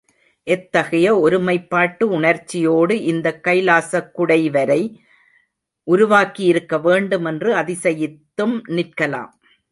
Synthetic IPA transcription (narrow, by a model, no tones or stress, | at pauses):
ʔɛt̪ːɐɣɐjɐɔɾɯmɐɪpːaːʈːɯʊɳɐɾt͡ʃːɪjoːɽɯʔɪnd̪ɐkːɐɪlaːsɐkːʊɽɐɪʋɐɾɐɪ | ʔʊɾʊʋaːkijɪɾɯkːɐʋeːɳɖɯmɛndrɯɐðɪsɐjɪt̪ːɯmnɪrkɐla̰ːm